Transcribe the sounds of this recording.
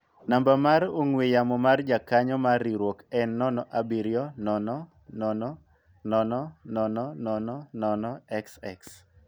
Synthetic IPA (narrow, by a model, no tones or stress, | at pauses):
nambamaɾoŋwejamɔmard͡ʒakaɲɔmariɾwɔkɛnːɔnɔʔabiɾjɔnɔnɔ | nɔnɔ | nɔnɔnɔnɔnɔnɔnɔnɔɛksɛks